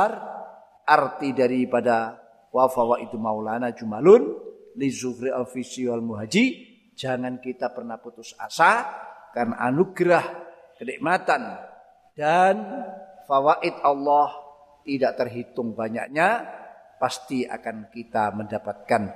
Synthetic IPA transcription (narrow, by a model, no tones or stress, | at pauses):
r | ʔart̪idaɾipada | wafawaʔit̪umaulanad͡ʒumalʊn | lizukɾialfisialmuɦad͡ʒi | d͡ʒaŋankit̪apərnahput̪ʊsa̰sakarnaʔanuɡɾah | kəniʔmat̪an | d̥anfawaʔɪt̪̚alːɔh | t̪idaʔt̪ərɦit̪ʊŋbaɲa̰ʔɲa | past̪ia̰kankit̪aməndapat̪̚kan